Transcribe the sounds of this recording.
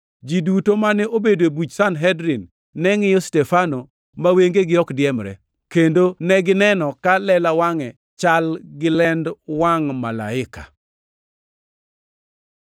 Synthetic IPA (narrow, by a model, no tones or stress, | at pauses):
d͡ʒidutomanɛobedoebut͡ʃsanɦɛdɾinː | ɛŋɪjɔstɛfano | maweŋɡeɡɪɔkdjɛmɾɛ̰ | kendonɛɡɪnɛnɔkalɛlawaŋɛ | t͡ʃalɡɪlɛndwaŋmala̰ɪka̰